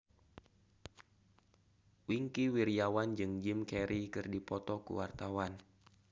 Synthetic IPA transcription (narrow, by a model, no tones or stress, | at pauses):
wiŋkiwiɾiawand͡ʒɨŋd͡ʒimkɛɾikɨrdipɔt̪ɔkṵwart̪awan